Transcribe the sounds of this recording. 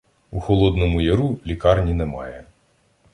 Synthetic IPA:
uxɔlˠɔd̪nɔmʊjɐɾulʲikɑrnʲinɛmɑ̰jɛ

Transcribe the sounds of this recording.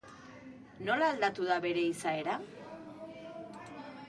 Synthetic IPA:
no̞laːld̪at̪uðaβe̞ɾe̞isae̞ɾa

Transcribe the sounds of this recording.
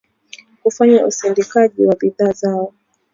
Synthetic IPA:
kufaɲausindikaʄiwabiðaːzaɔ

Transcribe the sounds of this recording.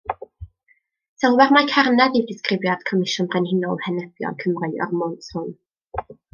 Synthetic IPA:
sɛlˠwarmakʰarnaðidɪskrɪvjad̥kʰɔmɪʃʊnrɛnhɪnɔlˠhɛnɛb̥jɔ̰lkʰəmrʊɨɔ̰rmɔnthʊn

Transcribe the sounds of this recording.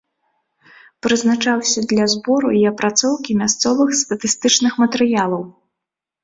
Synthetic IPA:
pɾɨznat͡ʂawsʲɐd̪lʲɐzbɔɾuiɐpɾat̪sɔwkʲimʲast̪sɔvɨxst̪ɐt̪ɨst̪ɨt͡ʂnɨxmɐt̪ɛɾɨjalˠɐw

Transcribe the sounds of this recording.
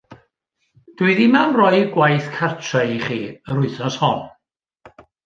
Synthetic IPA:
d̥uɨðimawnrɔjɡwajθkʰartʰraχiːəɾʊɨθɔshɔn

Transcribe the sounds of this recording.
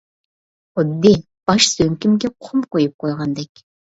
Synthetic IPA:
ʊd̪ːi | pɑʃsøŋkʲɪmɡʲeqʷʰʊmqojɨp̚qojʁɑnd̪ɛkʲ

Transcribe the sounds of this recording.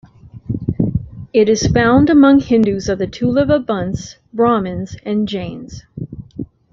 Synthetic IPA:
ɪɾɨz̥fãʊ̃ndɨmʌ̃ŋhɪ̃ndʉzʌvðɨtʰʉlˠɪvəbʌ̃ns | b̥ɹɑmɨ̃nz̥ɨ̃nd͡ʒẽɪ̃nz̥

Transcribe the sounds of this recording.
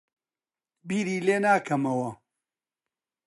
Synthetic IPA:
biːɾiːleːnaːkʰɐmɐwɐ

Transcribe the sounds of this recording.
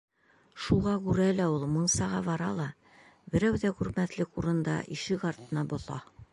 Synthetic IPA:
ʃuʁɑkʉɾælæulˠmɤ̆ɴsɑʁɑbɒɾɑlˠɑ | bɘ̆ɾæwd̪ækʉɾmæt̪lɘkuɾɤ̆nd̪ɑ̰ʔiʃɘkɑɾt̪ɤ̆nɑbŏθɑ̰

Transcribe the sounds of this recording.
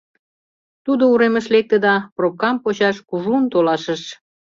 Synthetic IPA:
t̪ud̪ouɾeməʃlek̚t̪əd̪ɑprop̚kɑmpot͡ɕɑʃkuʒunt̪olɑʃəʃ

